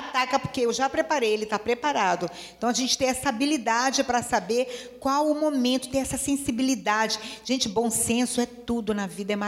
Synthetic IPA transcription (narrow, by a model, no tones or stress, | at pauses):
t̪akɐpoɾkeewʒapɾepaɾejelɪt̪apɾepaɾad̪ʊeẽt̪ɐ̃w̃ɐʒẽnt͡ʃɪ̥t̪ẽj̃ɛsɐabilid̪ad͡ʒɪpɾɐsabeɾkwawʊmomẽnt̪ʊ̥t̪ẽj̃ɛsɐsẽsibilid̪ad͡ʒɪʒ̥ẽnt͡ʃɪbõw̃sẽsʊɛt̪ud̪ʊnɐvid̪ɐɛma